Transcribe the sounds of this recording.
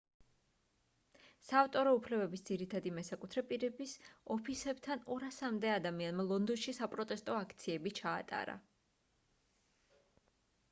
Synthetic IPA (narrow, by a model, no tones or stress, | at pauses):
saːft̪ʼɔɾɔupʰlɛbɛbisd̪ziɾit̪ʰad̪imɛsakʼut̪ʰɾɛpʼiɾɛbisɔpʰisɛbt̪ʰanɔɾasamd̪ɛad̪amianmalˠɔnd̪ɔnʃisapʼɾɔt̪ʼɛst̪ʼɔakʰt̪sʰiɛbit͡ʃʰa̰ːt̪ʼa̰ɾa̰